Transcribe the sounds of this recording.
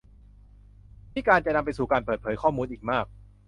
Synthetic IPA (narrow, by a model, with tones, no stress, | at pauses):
mʰiː˥˩kaː˧nt͡ɕa˨na˧mp̬a˧jsuː˨˩kaː˧npəɤː˨˩t̪̚pʰɤː˩˦jkʰɔː˥˩muː˧nʔiː˨˩k̚maː˥˩k̚